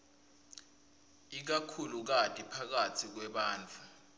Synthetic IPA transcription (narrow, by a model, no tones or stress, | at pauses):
ik̬akʰuluk̬atʼipʰak̬atʰik̬wɛɓaːnt͡fʰu